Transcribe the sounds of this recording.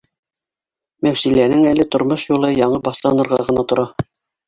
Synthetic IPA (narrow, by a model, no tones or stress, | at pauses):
mæwsilænɘŋælɘt̪ŏɾmoʃjulˠɤjɑɴɤbɑθlˠɑnɤ̆ɾʁɑʁɤ̆nɑt̪ŏɾɑ